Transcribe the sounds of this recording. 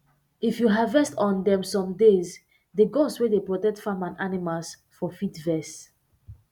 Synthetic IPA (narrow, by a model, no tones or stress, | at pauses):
ifjuɦavɛstɔ̃ndɛ̃msɔ̃mdez | deɡɔ̃swedepɹɔtɛk̚tfãmãnanimals | fɔfitvɛs